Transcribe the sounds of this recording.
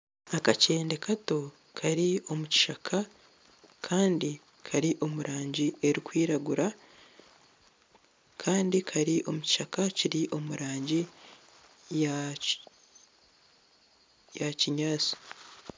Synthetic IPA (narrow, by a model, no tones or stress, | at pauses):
akace̞ːnde̞kʰato̞ | kʰaɾio̞muci̥ʃakʰa | kʰaːndi | kʰaɾiʔo̞muɾʔaːɲɟie̞ɾikwiːɾaɡuɾa | kʰaːndikʰaɾiʔo̞muci̥ʃakaciɾiʔo̞muɾaːɲɟi | ja | jaciɲaːt͡si̥